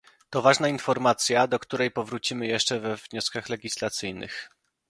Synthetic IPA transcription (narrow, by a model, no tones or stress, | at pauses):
t̪ɔvaʐnainfɔɾmat̪sʲjad̪ɔkt̪uɾɛjpɔvɾut͡ɕimɘjɛʂt͡ʂɛvɛvɲɔskaxlɛɡʲislat̪sɘjnɘ̰x